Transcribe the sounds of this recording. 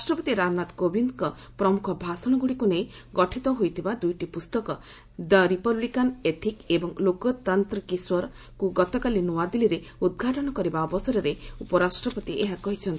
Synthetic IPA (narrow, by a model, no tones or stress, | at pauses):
asʈɾɔpɔt̪iɾamnat̪kobind̪kɔpɾɔmukʰɔbʱasɔɽ̃ɔɡuɽikunejɡɔʈʰit̪ɔɦojt̪ʰibad̪ujʈipust̪ɔkɔ | d̪aɾipɔblikanet̪ʰikebɔŋlokɔt̪ant̪ɾikiswɔɾɔ | kuɡɔt̪ɔkalinuwad̪iliɾeud̪̚ɡʱaʈɔɽ̃ɔkɔɾibaːbɔsɔɾɔɾeupɔɾasʈɾɔpɔt̪ieɦakɔɦit͡ʃʰɔnt̪i̥